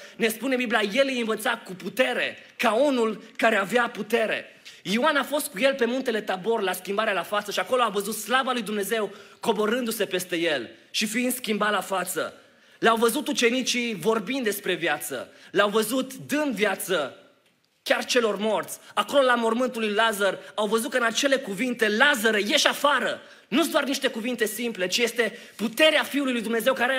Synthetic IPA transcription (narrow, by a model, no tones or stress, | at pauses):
ne̞spune̞biblijajelɨjɨnvət̪sakuput̪e̞ɾe̞kaunulkaɾe̞aveaput̪e̞ɾe̞̰ | ioanafo̞st̪̚kuje̞lpe̞munt̪e̞le̞t̪abo̞rlaskʲimbaɾealafat̪səʃiako̞lo̞avəzut̪slavalujd̪umne̞ze̞wko̞bo̞ɾɨnd̪use̞pe̞st̪e̞je̞l | ʃifiind̪skʲimbalafat̪sə̰ | leawvəzut̪ut͡ʃe̞nit͡ʃivo̞rbind̪d̪e̞spɾe̞vjat̪sə̰leawvəzut̪d̪ɨnd̪vjat̪sə | kʲart͡ʃe̞lo̞rmo̞rt̪sʲako̞lo̞lamo̞rmɨnt̪ulujlazərawvəzut̪kəɨnat͡ʃe̞le̞kuvint̪e̞lazəɾəje̞ʃafaɾə | nud̪oarniʃt̪e̞kuvint̪e̞simple̞t͡ʃije̞st̪e̞put̪e̞ɾeafiulujlujd̪umne̞zewkaɾe